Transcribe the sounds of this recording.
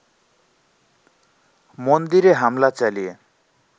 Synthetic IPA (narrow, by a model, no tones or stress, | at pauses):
mɔnd̪iɾeɦamlat͡salie